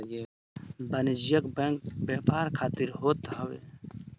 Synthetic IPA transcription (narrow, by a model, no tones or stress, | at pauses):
bɐnid͡ʒijɐkbkbeːpaːɾkʰaːt̪iɾɦoːt̪ɦɐwḛ